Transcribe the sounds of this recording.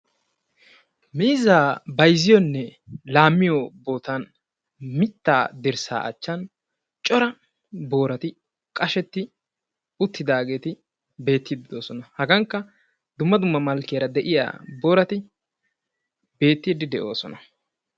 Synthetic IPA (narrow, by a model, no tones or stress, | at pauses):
miːzaːbɐjzɪjɔnːɛlaːmːɪjobo̞ːt̪ɐn | mɪt̪ːa̰ːd̪ɪɾsa̰ːʔɐ̰t͡ʃːɐn | t͡ʃʼɔɾɐ | bo̞ːɾɐt̪ɪ | kʼɐʃɛt̪ːɪ | ʊt̪ːɪd̪aːɡe̞ːt̪ɪ | be̞ːt̪ːid̪ɪd̪o̞ːsɔnɐhɐɡɐŋkːɐ | d̪ʊmːɐd̪ʊmːɐmɐlkːɪjɐɾɐd̪ɛʔɪja̰ːbo̞ːɾɐt̪ɪ | be̞ːt̪ːiːd̪ɪd̪ɛʔo̞ːsɔnɐ